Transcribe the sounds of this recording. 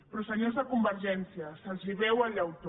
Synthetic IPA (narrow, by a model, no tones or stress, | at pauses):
pɾɔsəɲozðəkumbəɾʒɛnsiɐsəlziβɛwaʎawt̪o